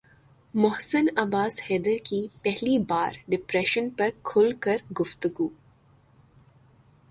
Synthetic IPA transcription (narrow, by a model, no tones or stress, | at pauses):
mʊɦsənɐbaːshɛːd̪əɾkipɛɦlibaːɾɖɪpɾɛːʃənpɐɾkʰʊlkɐɾɡʊft̪ʊɡuː